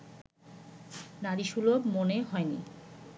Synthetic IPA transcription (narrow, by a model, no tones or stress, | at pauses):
naɾiʃulobmoneɦɔenḭ